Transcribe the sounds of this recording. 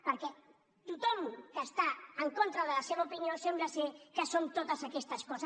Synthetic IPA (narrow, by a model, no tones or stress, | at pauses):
pəɾkɛ | t̪ut̪ɔmkəːst̪aəŋkont̪ɾəðəlɐseβaupiniosembləsekəsont̪ot̪əzakɛst̪əskɔz